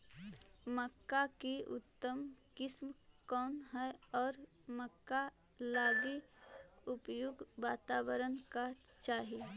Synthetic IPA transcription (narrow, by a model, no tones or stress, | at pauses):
məkːakiʊ̰t̪ːəmkɪsmkɔːnɦɛɔːɾ | məkːa | laːɡi | ʊpjʊɡʋaːt̪aːbəɾənka | t͡ʃaːɦi